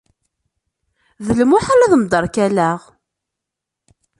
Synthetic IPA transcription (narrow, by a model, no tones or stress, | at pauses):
ðələmʊħaɾɑðmd̪ɑɾˤkælæʁ